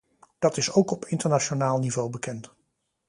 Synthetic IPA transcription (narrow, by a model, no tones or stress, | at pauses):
d̥ɑtɪsowkɔpɪntəɹnaʃonaːlˠnivowbəkɛnt